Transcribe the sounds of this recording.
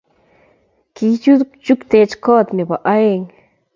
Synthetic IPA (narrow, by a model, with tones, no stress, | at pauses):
ki˧˦t͡ʃu˦d̪ | t͡ʃu˦kt̪e˧˦t͡ʃko˦t̪ne˨ba˨ʔa˦e˦˧˨ŋ